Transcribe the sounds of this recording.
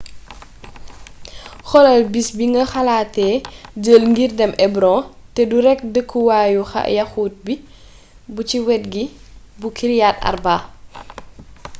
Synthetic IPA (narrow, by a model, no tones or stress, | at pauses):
xɔlɐlbisbiŋɡɐxalaːtɛːd͡ʒəːlŋɡirdɛmʔɛbɾɔ̃tɛduɾɛk̚dəkʰːuwaːjuxɐ̰jɐxuːt̚bi | buciwɛt̚ɡi | bukʰiɾjaːtɐ̰rbaː